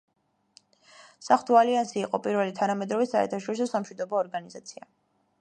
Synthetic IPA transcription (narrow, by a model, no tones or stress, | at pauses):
saχd̪ʰʼualiansiːqʼɔpʼiɾvɛlit̪ʰanamɛd̪ɾɔvɛsaɛ̰ɾt̪ʰaʃɔɾisɔsamʃwid̪ɔbɔːɾɡanizat̪sʰia̰